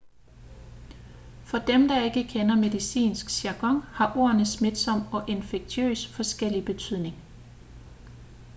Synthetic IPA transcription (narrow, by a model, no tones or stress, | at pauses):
fɒ̽d̥emd̥ɑ̈e̝ɡ̥əkʰenɐme̝ðˠisḭːnsɡ̥sæɡ̥ɒ̽ŋ̰hɑ̈ʔo̝ːɐnəsme̝d̥sɒ̽m̰ɒ̽ʔe̝nfeɡ̥̚t͡sʰø̰ːsfɒ̽sɡ̥el̰ib̥e̝t͡sʰyð̰ˠne̝ŋ